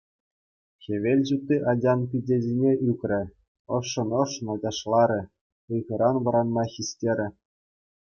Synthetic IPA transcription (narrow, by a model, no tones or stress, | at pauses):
xʲeʋʲelʲʑut̪ːiʔɑdʲɑnpʲidʲezʲinʲeʔykʲrʲɘ̆ | ɤ̆ʂːɤ̆nɤ̆ʂːɤ̆nod͡ʑɑʂlˠɑɾʲɘ̆ | ɯjɣɤ̆ɾɑnʋɤ̆ɾɑnmɑxʲisʲtʲeɾʲɘ̆